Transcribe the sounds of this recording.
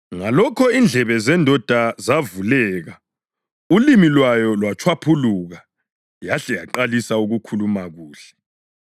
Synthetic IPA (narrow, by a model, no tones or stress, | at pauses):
ŋalɔkʰɔind͡ɮʱɛβɛzɛndʱɔd̥ʱazavulɛːɣa | ulimilwajɔlwat͡ʃʰwapʰuluɣa | jaɬɛjaǃalisauɣukʰulumaɣuːɬɛ̥